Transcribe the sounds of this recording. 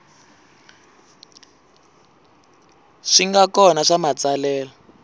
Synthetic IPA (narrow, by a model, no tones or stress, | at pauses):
ʂiŋɡakɔnaʂamat͡salɛːla